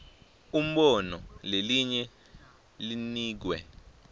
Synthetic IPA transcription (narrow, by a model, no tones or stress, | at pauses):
um̩ɓɔnɔleliɲɛ | liniːk̬wɛ̰